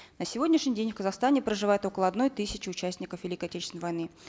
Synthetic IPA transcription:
nəsʲɪvo̞dʲnʲɪʂnʲɪjdʲenʲfkəzɐxst̪anʲɪpɾəʐɨvajɪt̪o̞kəlˠəɐd̪no̞jt̪ɨsʲɪt͡ɕɪʊt͡ɕæsʲtʲnʲɪkəfvʲɪlʲikəɐtʲet͡ɕɪ̥snəjvɐjnɨ

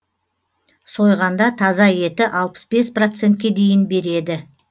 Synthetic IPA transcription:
so̞jʁɑnd̪ɑt̪ʰɑzɑje̞t̪ɪʔɑlˠpə̥sbe̞sprot̪se̞nt̪̚kʲe̞d̪e̞jɪnbe̞ɾe̞d̪ɪ

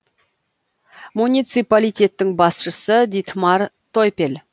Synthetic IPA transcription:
munʲijt̪sɨpalijt̪ʲe̞t̪ːɪŋbɑsʃəsəd̪it̪mɑrt̪ʰojpʲel

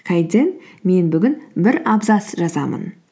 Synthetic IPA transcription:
qʰɑjd̪ʲenme̞nbʏɡʲɪnbɪɾɑbzɑsʒɑzɑmə̰n

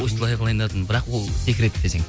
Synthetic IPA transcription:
ost̪əlˠɑjʁəlˠɑjənd̪ɑt̪ənbɪɾɑqwolˠt̪ʰekʲɾet̪ːd̪eseŋ

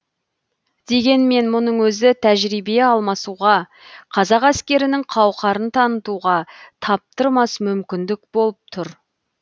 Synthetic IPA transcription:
d̪̥e̞ɡʲe̞nme̞nmʊnəɴwɵzɪt̪ʰæʒɾijbeɑlˠmɑsuʁɑ | qʰɑzɑqæskʲe̞ɾɪnɪɴqʰɑwqɑɾənt̪ʰɑnət̪uʁɑt̪ʰɑp̚t̪əɾmɑsmʏmkʲɪnd̪ɪkbo̞lˠəp̚t̪ʰʊɾ

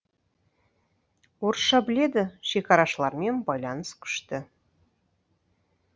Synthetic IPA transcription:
orʃɑbɘ̆lʲed̪ɘ̆ʃekɑɾɑʃlˠɑɾmʲenbɑjlʲˠɑnsky̥ʃt̪ɘ

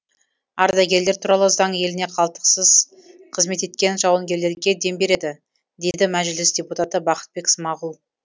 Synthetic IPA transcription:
ɑɾdd̪ɑɡʲe̞ɾleɾt̪ʰuɾɑlˠəzɑɴje̞lɪne̞qʰɑlˠt̪ə̥qsəz | qʰəzme̞t̪e̞t̪kʲe̞nʒɑwəŋɡʲe̞ɾle̞ɾɡʲe̞d̪e̞mbe̞ɾe̞d̪ɪ | d̪e̞d̪ɪmæʒlɪsd̪ʲe̞put̪at̪əbɑqə̥t̪̚be̞ksmɑʁulˠ

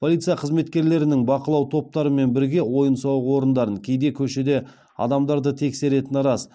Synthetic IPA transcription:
pʰo̞lʲˠijt̪sɨjɑqʰəzme̞t̪kʲe̞ɾle̞ɾɪnɪŋbɑqəlˠɑwt̪ʰo̞p̚t̪ɑɾəme̞nbɪɾɡʲe̞wo̞jənsɑwwo̞ɾənd̪ɑɾəŋkʲʰe̞jd̪e̞kʲʰɵʃe̞d̪e̞ | ɑ̰d̪ɑmd̪ɑɾd̪ət̪ʰe̞kse̞ɾe̞t̪ɪnɾɑz

